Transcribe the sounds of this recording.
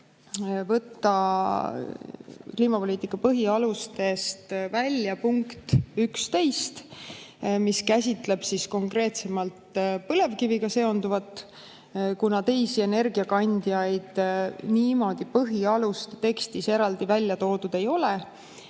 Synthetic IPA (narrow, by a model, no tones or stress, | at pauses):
vɤt̪ːɑ | kliːmɑpo̞lʲiːt̪ːˑikːˑɑpɤɦiɑlust̪e̞st̪vælʲjɑpuŋkt̪ykst̪e̞jst̪ | miskæsʲit̪ˑle̞b̥sisko̞ŋkre̞ːt̪se̞mɑlt̪pɤle̞vkiviɡɑse̞o̞nd̪uvɑt̪ˑ | kunɑt̪e̞jsie̞ne̞rɡiɑkɑnʲd̪iɑjd̪̥niːmo̞d̪̥ipɤɦiɑlust̪t̪e̞kst̪ise̞ɾɑld̪ivælʲːjɑt̪o̞ːd̪̥ud̪̥e̞jo̞le